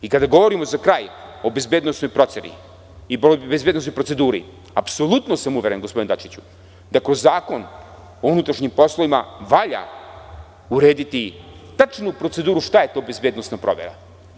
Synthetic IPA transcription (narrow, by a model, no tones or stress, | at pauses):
ikad̪aɡo̞ʋo̞ɾimo̞zakɾaːjo̞be̞zbeːd̪nosnojpɾo̞t̪senḭ | ibezbed̪nsojpɾo̞t̪se̞d̪uːɾḭ | apso̞lˠut̪no̞samuʋʲjeɾenɡospo̞d̪nd̪at͡ʃit͡ɕu̥ | d̪akɾozːaːko̞n | ounut̪ɾaʃɲimpo̞slˠoimaʋaʎa̰ | uɾe̞ːd̪it̪it̪at͡ʃnupɾo̞t̪se̞d̪uːɾuʃt̪aje̞t̪o̞ːbe̞zbeːd̪nosnapɾo̞̰ʋjḛɾa̰